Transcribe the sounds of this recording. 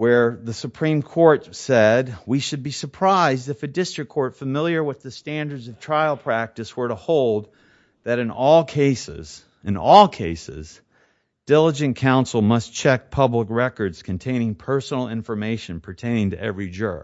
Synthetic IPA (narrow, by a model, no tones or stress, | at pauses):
wə˞ðɨsɨpʰɹ̥ĩmkʰɔɹtsɛd̚wiʃɨd̚bisə˞pʰɹ̥aɪzdɨfɨdɪstɹ̥ɨkʰɔɹtfəmɪlˠjə˞wəðɨstæ̃ndə˞dzʌv̥tʰɹ̥aɪlˠpʰɹ̥æk̚tɨswə˞ɾəhoʊlˠd̪̚ | ðɨɾɨ̃nɔlˠkʰeɪsɪ̰z̥ | ɨ̃nɔlˠkʰeɪsɪ̰z | d̥ɪlˠəd͡ʒɨ̃nkʰãʊ̃nsl̩ˠmʌst͡ʃʰɛk̚pʰʌbləkɹɛkə˞dz̥kʰɨ̃n̩tʰẽɪ̃ñɪ̃ŋpʰɜ˞sn̩l̩ˠɪ̃ɱfə˞meɪʃɨ̃npʰə˞tʰẽɪ̃nɪ̃ŋtɨɛ̰vɹid͡ʒɜ̰˞